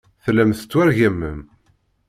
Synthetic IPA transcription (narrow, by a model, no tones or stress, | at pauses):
θlːæmθət͡sːwæɾʝæmːəm